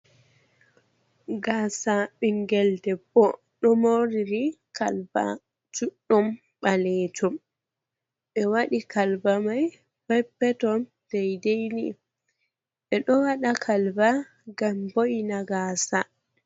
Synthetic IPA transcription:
ɡaːsaɓiŋɡɛldɛbɔ | ɗɔmoɾiɾikalba̰ | t͡ʃuɗːum | ɓalɛtum | ɓɛwaɗikʰalbamaj | bɛpːɛtɔn | dɛjdejnḭ | ɓɛɗɔwaɗakʰalba | ɡambojnaɡaːsa

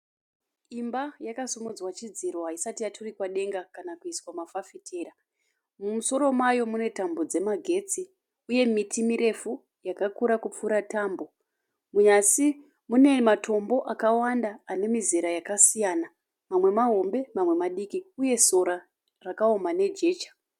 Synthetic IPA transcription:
imbajakasumud͡zwat͡ʃid͡ziɾoɦaisatijatʰurikwaɗe̞ŋɡakanakuiswamafafitʰe̞ːɾa | mumuso̞ɾo̞mwajo̞mune̞tambo̞d͡ze̞maɡʱe̞t͡si | uje̞mitʰimiɾe̞fu | jakakuɾakup͡fuɾataːmbo̞ | muɲasi | mune̞matʰo̞mbo̞ʔakawandaːne̞miziɾajakasijaːna | mamwe̞maɦo̞mbe̞mamwe̞maɗikiuje̞so̞ɾa | rakaomane̞d͡ʒe̞ːt͡ʃḁ

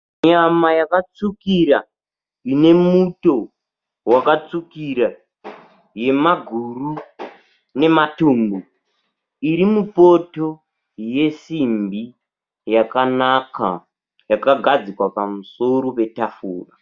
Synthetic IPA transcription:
ɲamajakat͡sukiɾa | ine̞muto̞ | wakat͡sukiɾa | je̞maɡʱuru | ne̞matuːmbo | iɾimupoto̞ | je̞simbi | jakanaka̰ | jakaɡʱad͡zikwapamuso̞ɾope̞tafuːra

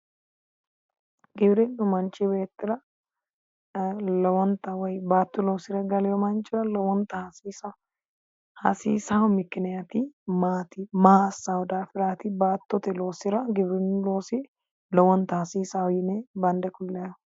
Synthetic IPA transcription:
ɡɪbɾɪnːʊmɐnt͡ʃːɪbeːt̪ːɪɾɐ | lɔwɔnt̪ːɐwɔjbaːt̪ːʊlo̞ːsɪɾɐɡɐlɪjɔmɐnt͡ʃʼːɪɾɐlɔwɔnt̪ːɐhɐsiːsɐ | hɐ̰sḭːsawmɪkːɪnɛjɐt̪ɪmaːt̪ɪmasːawɔd̪aːfɪɾaːt̪ɪbaːt̪ːɔt̪ɛlo̞ːsɪɾɐɡɪbɾɪnlo̞ːsɪ | lɔwɔnt̪ːɐhɐsiːsawɔjɪnebɐnd̪ɛkʊlːɐjɐ

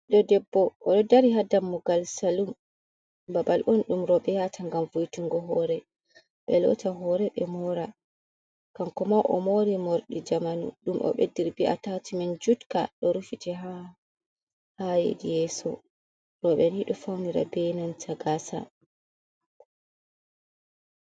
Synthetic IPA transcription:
ɗɔdɛbːɔʔːɗɔdaɾiɦadamːɔɡalsalum | babalʔɔnɗumɾɔɓɛjatʰaŋɡamvojtuŋɡɔɦɔɾɛ | ɓɛlɔ̰taɦɔɾɛɓɛmɔɾa | kamkɔmawʔɔ̰moɾimoɾɗid͡ʒamanṵɗumʔɔ̰ɓḛdːiɾbiʔa̰tatimand͡ʒutka̰ɗɔɾufitɛɦa | hajḛɡijɛsɔ̰ | ɾɔɓɛniɗɔfawniɾa̰bɛnantʰaɡasa̰

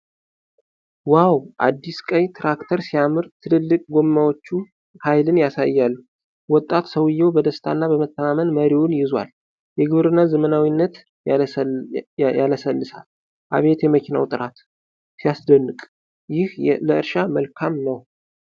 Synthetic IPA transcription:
wawʔa̰d̪ːiskʼəjt̪ʰɾakt̪ʰəɾsijamɨɾt̪ʰɨlɨlːɨkʼɡo̞mːawot͡ʃːu | hajlɨnjasa̰jːalːu | wɔt̪ʼːat̪səwɨjːɛwbəd̪əst̪ʰa̰nːabəmət̪ʰːəmamənməɾiwʊnjɪzwa̰l | jɛɡɨβɾɨnːazəmənawinːət̪ | jaləsəlːɨsa̰l | ʔa̰βe̞t̪jɛməkʰina̰wt̪ʼɨɾat̪ | sijasd̪ənːɨkʼ | jɪhləɨɾʃaməlkʰamnəw

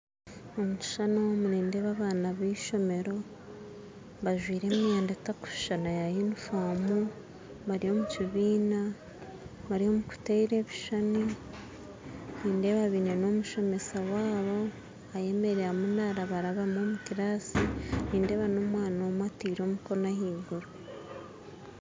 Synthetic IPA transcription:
omuʃi̥ʃanomuɾeːnde̞βaβaːnaβiːʃo̞me̞ɾo̞ | βaʒwiːɾe̞ːmiaːndetaku̥ʃʃanajajinufaːmu | βaɾiho̞muciβiːna | βaɾiho̞muku̥teiɾe̞βiʃani | niːnde̞βaβineno̞muʃo̞me̞sawaːβo̞ | aje̞me̞ɾeɾamunaɾaβaɾaβamo̞ːmukiɾaːsiniːnde̞βano̞mwaːnaːmwatiːɾo̞ːmuko̞nahiːɡuɾu

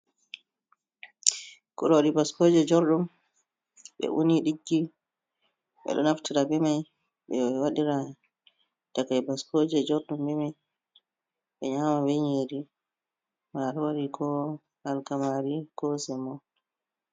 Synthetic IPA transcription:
kuɾɔwɗibaskoːd͡ʒɛd͡ʒɔɾɗum | ɓɛ̰ʔuniɗiɡːi | ɓɛ̰ɗɔ̰naftiɾabɛmaj | ɓɛwaɗiɾa | takajbaskod͡ʒɛd͡ʒɔɾɗumbɛmaj | ɓɛɲamawɛɲiɾi | maɾwaɗikʰɔ | alkamaɾikɔsɛmɔ

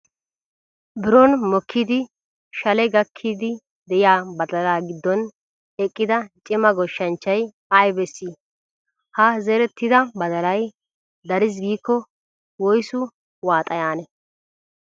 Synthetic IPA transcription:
bɪɾoːnmɔkʰːiːd̪ɪ | ʃɐlɛɡɐkʰːiːd̪ɪ | d̪ɛjɪaːbɐd̪ɐlaːɡɪd̪ːɔn | ɛkʼːɪd̪ɐt͡ʃʼɪmɐɡɔʃːɐnt͡ʃːɐj | ɐjbɛsːi | hɐzɛɾɛt̪ːɪd̪ɐbɐd̪ɐlɐj | d̪ɐɾɪs̬ɡiːkːɔ | wɔjsʊ | waːt̪ʼɐjaːnɛ

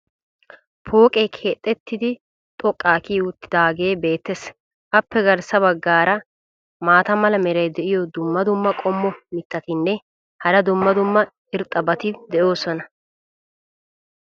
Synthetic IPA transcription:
pʰo̞ːkʼeːkʰeːt̪ʼːɛt̪ːɪd̪ɪ | t̪ʼɔkʼːaːkiːʊt̪ːɪd̪aːɡeːbe̞ːt̪ːes | ʔɐpːɛɡɐɾsɐβɐɡːaːɾɐ | maːt̪ɐmɐlɐmɛɾɐjd̪ɛʔɪjɔd̪ʊmːɐd̪ʊmːɐkʼɔmːɔmɪt̪ʰːɐt̪ɪnːɛ | hɐɾɐd̪ʊmːɐd̪ʊmːɐ | ɪɾt̪ʼːɐbɐt̪ɪd̪ɛʔo̞ːsɔnɐ

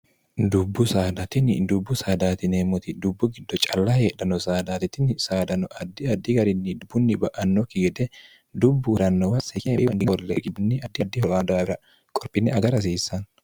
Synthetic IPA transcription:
d̪ʊbːʊsaːd̪ɐt̪ɪnɪd̪ʊbːʊsaːd̪aːt̪ɪneːmːɔt̪ɪd̪ʊbːʊɡɪd̪ːɔt͡ʃʼɐlːɐheːᶑɐnɔsaːd̪aːt̪ɪt̪ɪnsaːd̪ɐnɔʔɐd̪ːɪɐd̪ːɪɡɐɾɪnːɪd̪ʊbːʊnːɪbɐʔɐnːɔkːɪɡɛd̪ɛ | d̪ʊbːʊɾɐnːɔwɐsɛkeɐnɡɪnwɔlːḛɡɪbʊnːɪɐd̪ːɪd̪ːɪhɔlaːd̪aːbɪɾɐ | kʼɔɾpʼɪnːɛɐɡɐɾɐs̬iːsɐn

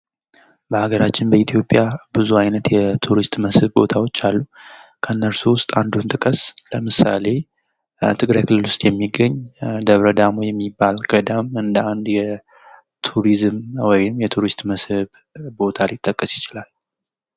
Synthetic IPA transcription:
bəhaɡəɾat͡ʃːɪnbəit̪ʰjo̞pʼːjabɨzuajnət̪jɛt̪ʰuɾist̪ʼməshɨβbo̞t̪ʰawo̞t͡ʃːalːukʰənːəɾsuwʊst̪ʼand̪unt̪ʼɨkʼəsləmɨsa̰le̞ | t̪ʰɨɡɾajkʰɨlːɨlwʊst̪ʼjɛmːiɡːəɲːd̪əβɾəd̪amojɛmːibːalɡʼəd̪əmɨnd̪əand̪jɛ | t̪ʰuɾizmwɔjɪmjɛt̪ʰuɾist̪ʼməshɨβ | bo̞t̪ʰalɪt̪ʼːəkʼːəsjɪt͡ʃɪlal

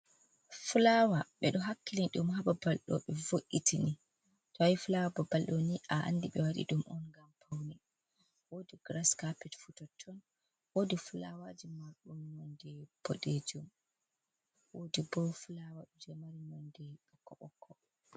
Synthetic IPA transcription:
fulawaɓɛɗɔɦakːiliɗumɦaɓabalɗɔ̰ɓɛvoʔitʰini | tɔajfulawabɔbalɗɔniʔaʔa̰ndiɓɛwaɗḭɗumʔɔnɡampʰawnɛ | wodiɡɾaskapɛtfutɔtʰːɔn | wodifulawad͡ʒimaɾɗunnɔndɛb̥ɔ̰ɗed͡ʒum | wodibɔfulawaɗɔd͡ʒɔmaɾinɔndɛɔkːɔʔɔkʰːɔ

